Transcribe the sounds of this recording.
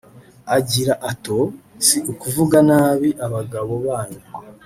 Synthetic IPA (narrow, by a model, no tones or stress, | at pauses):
aɟiɾaʔato̞siukuvuɡanaːβiʔaβaɡaβo̞βaːɲu